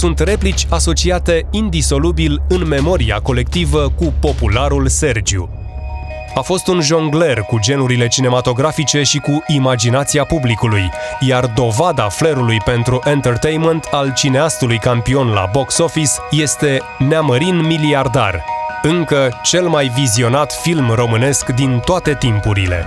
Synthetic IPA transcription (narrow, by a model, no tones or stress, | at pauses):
sunt̪re̞plit͡ʃʲaso̞t͡ʃiat̪e̞ind̪iso̞lubilɨnme̞mo̞ɾia̰ko̞le̞k̚t̪ivəkupo̞pulaɾulse̞rd͡ʒiṵ | afo̞st̪unʒoŋɡle̞rkud͡ʒe̞nuɾile̞t͡ʃine̞mat̪o̞ɡɾafit͡ʃe̞ʃikuʔimad͡ʒinat̪siapublikuluj | jard̪o̞vad̪afleɾulujpe̞nt̪ɾuʔent̪ert̪ejnment̪ʰalt͡ʃineast̪ulujkampio̞nla̰bo̞kso̞fisje̞st̪e̞ | neaməɾinmiliard̪a̰rɨŋkət͡ʃe̞lmajvizio̞nat̪filmro̞mɨne̞skd̪int̪oat̪e̞t̪impuɾile̞̰